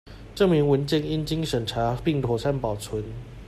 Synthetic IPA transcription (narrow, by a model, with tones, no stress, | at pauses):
ʈ͡ʂɤ˥˩ŋmi˨˧˥ŋwə˧˥nt͡ɕɛ˥˨ni˥nt͡ɕi˥ŋʂə˨˩nʈ͡ʂʰa˧˥pi˥˨˩ŋt̪ʰwɔ˨˩ʂa˥˩npɑ˨˩ʊt͡sʰwə˨˦n